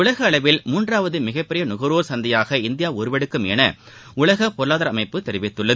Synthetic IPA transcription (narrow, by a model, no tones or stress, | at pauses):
ʊɭɐɣɐːɭɐʋɪlmuːndraːʋɐðɯmɪɣɐpːɪɾɪjɐnʊɣɐɾoːɾsɐnd̪ɐjaːɣɐɪnd̪ɪjaːɔɾɯʋɛɽɯkːɯmɛ̰nɐ | ʊɭɐɣɐpːɔɾlaːðɐɾɐmɐɪpːɯt̪ːɛɾɪʋɪt̪ːɯɭːɐð